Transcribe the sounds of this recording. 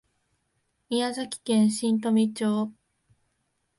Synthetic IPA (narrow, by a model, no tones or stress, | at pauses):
iazakʲi̥kẽɰ̃ɕĩnt̪̬omʲit͡ɕoː